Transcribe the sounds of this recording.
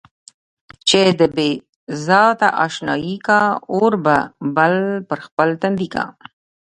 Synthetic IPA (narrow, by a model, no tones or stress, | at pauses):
t͡ʃed̪əbe | zɑt̪aʔɑʃnɑ̰jikaoɾbabalpəɾxpəlt̪and̪ika̰